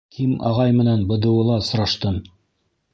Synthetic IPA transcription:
kʰimɑ̰ʁɑjmɘ̆nænbɤ̆d̪ɤ̆wɤ̆lˠɑsŏɾɑʃt̪ɤm

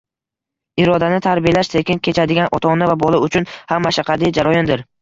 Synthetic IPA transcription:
ɪɾɒd̪anɪt̪ʰaɾbijalaʃt̪ʰe̞kʲɪnkʲʰe̞t͡ʃʰad̪ɪɡʲanʔɒt̪ʰɒnɪvabɒlˠaʊt͡ʃʰʊnhamːaʃaqʰad̪ɪd͡ʒaɾɒjɒnd̪ɪɾ

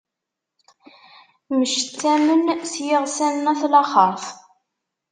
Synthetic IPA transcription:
məʃət͡sːæmənsjəʁsænnæθlɑχəɾf

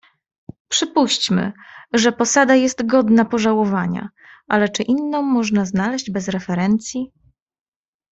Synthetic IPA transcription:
pʂɘpuɕt͡ɕmɘ̰ʐɛpɔsad̪ajɛst̪ɡɔd̪napɔʐawɔvaɲa̰ | ʔalɛt͡ʂɘʔinːɔ̃w̃mːɔʐnaznalɛʑd͡ʑbɛzɾɛfɛɾɛnt̪sʲji

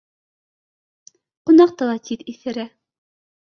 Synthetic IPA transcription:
qŏnɑq̚t̪ɤlˠɑt̪ʰit̪iθɘ̆ɾæ

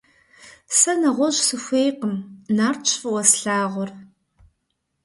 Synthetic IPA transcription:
sɐnɐʁʷɔʑsɨxʷeːjqəmnaːrt͡ʃʷʰfɨwɐsɬaːʁʷʊr

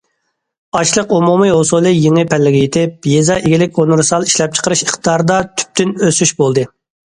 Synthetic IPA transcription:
ɑʃlˠəqumumɨɦosulˠɨjeŋɨpʰɛlːɪɡʲɪjet̪ʰɪp̚jezɑʔeɡʲilɪkʲonɾsɑlˠiʃlɛp̚t͡ʃʰə̥qəɾɨʃəχt̪d̪ɑɾd̪ɑt̪ʰy̥p̚t̪ynøsyʃbolˠd̪ɨ

